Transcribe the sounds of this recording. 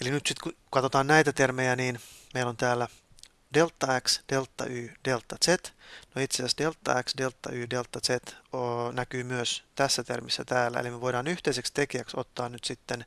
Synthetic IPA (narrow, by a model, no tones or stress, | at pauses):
elinyt̪sit̪kukɑt̪o̞t̪ɑːnnæjt̪æt̪ermejæniːnmeijlont̪æːlːæ | delt̪ːɑæksd̥elt̪ːɑ̰ʔyːd̥elt̪ːɑset̪noit̪sesæsdelt̪ːɑ̰æksdelt̪ːɑ̰yːdelt̪ːɑset̪onækyːmyøst̪æsːæt̪ḛrmisːæt̪æːlːæ̰ḛlimeʋo̞iɾɑːnyht̪eisekst̪ekiæksot̪ːɑːnnyt̪sit̪ːen